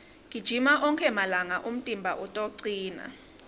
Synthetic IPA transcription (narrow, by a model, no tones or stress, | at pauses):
ŋʱid̥ʒ̥ʱimaʔɔŋkʰɛmalaŋaʔum̩tʼimbʱaʔutʼoǀiːna̰